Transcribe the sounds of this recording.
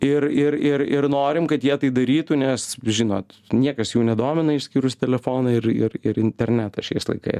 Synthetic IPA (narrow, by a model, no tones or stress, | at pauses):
ɪɾɪɾɪɾɪ̰ɾnoːɾʲɪmkɐt̪jiɛt̪ɐɪd̪ɐɾʲiːt̪ʊnʲɛsʒʲɪno̰ːt̪nʲiɛkɐsjuːnʲɛd̪oːmʲɪnɐɪʃsʲkʲiːɾʊstʲɛlʲɛfoːnɐɪɾɪ̰ɾɪɾɪnʲt̪ʲɛɾʲnʲæt̪ɐʃʲɛɪslˠɐ̰ɪkɐ̰ɪs